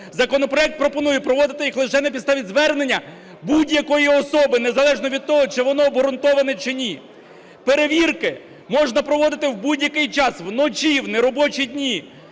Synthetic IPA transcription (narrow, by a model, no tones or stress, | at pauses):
zɐkɔnɔpɾɔɛk̚t̪̚pɾɔpɔnujɛpɾɔʋɔd̪ɪt̪ɪjixlˠɪʃɛnɛpʲid̪st̪ɑʋʲidʲzʋɛrnenʲːɐ | budʲjɐkɔjiɔsɔbɪnezɐlˠɛʒnɔʋʲid̪̚t̪ɔɦɔt͡ʃɪʋɔnɔːbɦɾʊnt̪ɔʋɐnɛt͡ʃɪnʲi | peɾeʋʲirkɪ | mɔʒnɐpɾɔʋɔd̪ɪt̪ɪwbudʲjɐkɪjt͡ʃɑswnɔt͡ʃʲiwneɾɔbɔt͡ʃidʲnʲi